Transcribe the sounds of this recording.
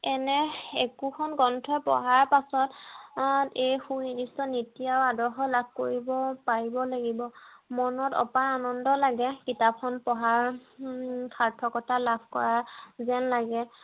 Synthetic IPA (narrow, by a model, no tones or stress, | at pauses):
ɛnɛekukʰɔnɡɔntʰɔjpɔ̰ɦaɹpasɔt | ejxunidistɔnitijawadɔɹxɔjlab̚ʱko̰ɹibɔpaɹibɔlaɡibɔmɔnɔtɔ̰paanɔndɔlaɡɛkitapxɔnpɔɦaɹ | kʰaɹtʰɔkɔtʰalabʱkɔɹazɛnlaɡɛ